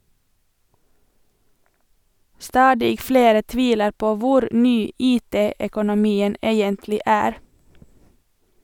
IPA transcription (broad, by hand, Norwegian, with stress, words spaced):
ˈstɑːdɪ ˈfleːɾə ˈtʋiːləɾ ˈpoː ˈʋʊɾ ˈnyː ˈiːˌteː œkʊnʊˈmiːən ˈeːjəntlɪ ˈæːɾ